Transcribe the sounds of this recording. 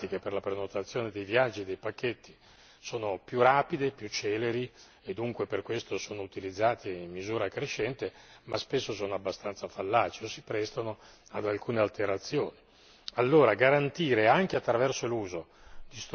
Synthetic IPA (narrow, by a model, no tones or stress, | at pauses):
t̪ik̟eperlapɾenot̪at̪sːjoːned̪ejvjad͡ʒːid̪ejpakːet̪ːi | soːnopjuraːpid̪epjut͡ʃːɛːleɾi | ed̪ːuŋkweperkwest̪osoːnout̪ilid̪zːaːt̪iimmːizuːɾakɾeʃːɛnt̪emaspesːosoːnoabːast̪ant̪safalːaːt͡ʃeosipɾɛst̪onoad̪alkuːnealt̪eɾat̪sːjoːni | alːoːɾaɡaɾant̪iːɾeaŋk̟eat̪ːɾavɛrsoluːzo | d̪̥ist̪